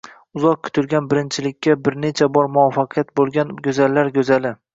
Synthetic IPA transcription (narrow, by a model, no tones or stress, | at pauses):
ʊzɒq̚kʲʰʊ̥t̪ʰʊlɡʲanbɪɾɪnt͡ʃʰɪlɪkʲːabɪɾne̞t͡ʃʰabɒɾmʊɒfɑqʰɨjat̪̚bolˠɡʲanɡʲɵzalːaɾɡʲɵzalɪ